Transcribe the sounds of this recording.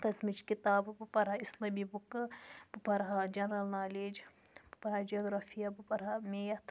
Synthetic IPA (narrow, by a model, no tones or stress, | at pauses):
kɐsmit͡ʃkit̪aːbbɨpɐɾɦaislɐmibukbɨpɐɾɦad͡ʒɐnɾɐlnaːleːd͡ʒbpɐɾad͡ʒiɐːɡɾaːfijabɨpɐɾamejɐt̪